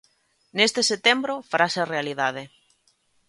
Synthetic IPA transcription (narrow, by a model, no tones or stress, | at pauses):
nest̪eset̪embɾofaɾasearealiðað̞e